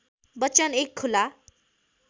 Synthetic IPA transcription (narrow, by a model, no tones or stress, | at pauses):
bʌt͡sʌnekʰːula